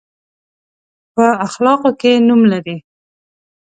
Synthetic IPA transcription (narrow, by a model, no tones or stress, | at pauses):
pəaxlɑqokenumlaɾi